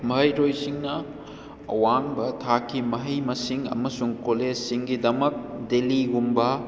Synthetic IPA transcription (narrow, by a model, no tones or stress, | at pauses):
mɐɦɐjɾojsiŋnɐ | ɐ̰waŋbɐtʰakʰːimɐɦɐjmɐsiŋɐ̰mɐsuŋkoled͡ʒsiŋɡidɐmɐk̚deliɡumbɐ